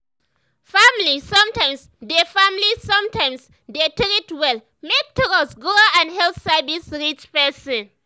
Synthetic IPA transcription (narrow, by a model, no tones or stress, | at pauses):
familisɔ̃mtãjms | defamilisɔ̃mtʰãjms | detɹitwɛl | mek̚tʰɔɡɔsɡuaãndhɛlθsavisɹit͡ʃpɛsɔ̃n